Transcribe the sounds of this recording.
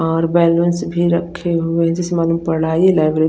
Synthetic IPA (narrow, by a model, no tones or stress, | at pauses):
ɔːɾbɛlənsbʱiɾəkʰːeɦʊeɦd͡ʒesemaːlumpəɽaːilaːɪbɾe